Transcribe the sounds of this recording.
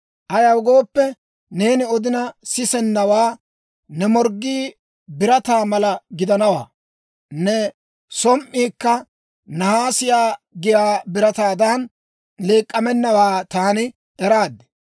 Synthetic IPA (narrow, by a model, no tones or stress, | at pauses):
ʔɐjɐwɡo̞ːpːɛ | ne̞ːnɪɔd̪ɪnɐsɪsɛnːɐwaː | nɛmɔɾɡːiː | bɪɾɐt̪aːmɐlɐɡɪd̪ɐnɐwa̰ː | nɛ | sɔmʔːiːkːɐ | nɐhaːsɪjaːɡɪjaːbɪɾɐt̪aːd̪an | leːkʼːɐmɛnːɐwaːt̪aːnɪ | ɛɾaːd̪ːɛ̥